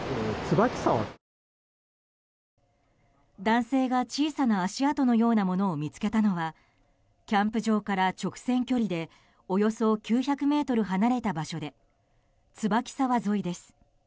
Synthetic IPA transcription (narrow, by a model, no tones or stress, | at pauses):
t͡sɨbakʲi̥saβa̰ | d̪ãɰ̃se̞ːɡat͡ɕiːsanaːɕiat̪o̞no̞jo̞ːnamo̞no̞ːmʲit͡sɨ̥ke̞t̪ano̞βa | kʲãmpɯ̟ʑo̞ːkaɾat͡ɕo̞kɯ̟̥sẽ̞ŋkʲo̞ɾʲid̪e̞ | o̞jo̞so̞kʲɨːçakɯ̟me̞ːt̪o̞ɾɯ̟ɦanaɾe̞t̪abaɕo̞d̪e̞ | t͡sɨbakʲi̥saβazo̞id̪e̞sɨ̥